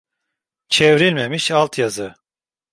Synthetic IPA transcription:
t͡ʃʰevɾilʲmemiʃalˠt̪ʰjazɯ

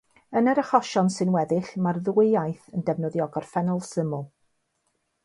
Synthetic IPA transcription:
ənəɾəχɔʃɔnsɨnwɛðɪɬmarðuejajθəndɛvnɔðjɔɡɔrfɛnɔlˠsɪmʊlˠ

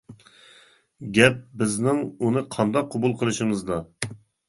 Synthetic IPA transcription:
ɡʲɛp̚bɪznɪŋunɨqʰɑnd̪ɑqʰːobulˠqʰəlˠɨʃɨmɨzd̪ɑ

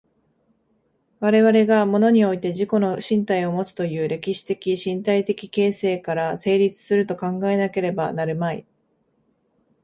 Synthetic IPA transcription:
βaɾe̞βaɾe̞ɡamo̞no̞ɲ̟io̞it̪e̞ʑiko̞no̞ɕĩnt̪aio̞mo̞t͡sɨ̥t̪o̞jɯ̟ːɾe̞kʲiɕi̥t̪e̞kʲiɕĩnt̪ait̪e̞kʲi̥ke̞ːse̞ːkaɾase̞ːɾʲit͡sɨ̥sɨɾɯ̟t̪o̞kãŋɡae̞nake̞ɾe̞ba̰naɾɯ̟maḭ

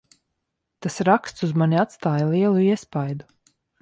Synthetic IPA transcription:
t̪asɾakst̪suzmanʲiat̪st̪aːjalˠiɛlˠuiɛspajd̪u

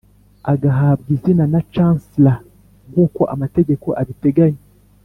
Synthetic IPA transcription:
aɡaɦaβɡizinanat͡ʃaːnsila | ɡukoʔamate̞ɟe̞ko̞ʔaβite̞ɡaɲe

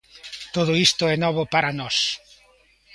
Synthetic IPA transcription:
t̪oðʊist̪ʊɛnɔβʊpaɾanɔs

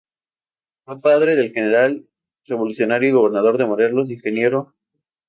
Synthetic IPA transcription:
fopað̞ɾe̞ðe̞lxene̞ɾal | re̞β̞o̞lusjo̞naɾjoiɣo̞β̞e̞ɾnað̞o̞ɾðe̞moɾe̞ɾlos̬iŋxe̞nje̞ɾo

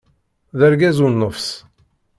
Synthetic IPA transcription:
ðəɾɡæzunːəfs

